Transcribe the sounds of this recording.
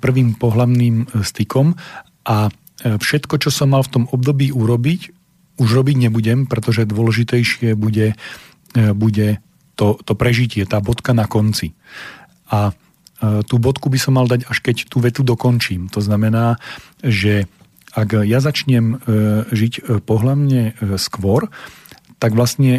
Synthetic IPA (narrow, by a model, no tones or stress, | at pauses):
pr̩ʋiːmpɔɦlaʊniːmst̪ikɔm | ʔa | fʃɛt̪kɔt͡ʃɔsɔmːalft̪ɔmɔb̚d̪ɔbiːuɾɔbic | uʒɾɔbiɟɲɛbuɟɛmpɾɛt̪ɔʒɛd̪ʊɔlɛʒit̪ɛjʃɪɛbuɟɛ | buɟɛ | t̪ɔt̪ɔpɾɛʒicɪɛt̪aːbɔt̪kanakɔnt͡si | a | t̪uːbɔt̪kubisɔmːald̪aɟaʃkɛct̪uːʋɛt̪ud̪ɔkɔnt͡ʃiːmt̪ɔznamɛnaː | ʒɛ | aɡjazat͡ʃɲɛmʒicpɔɦlamɲɛskʋɔɾt̪aɡʋlasɲɛ